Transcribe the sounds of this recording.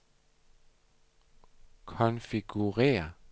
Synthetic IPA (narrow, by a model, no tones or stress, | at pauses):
kʰɔnfiɡ̥uʁḛːɐ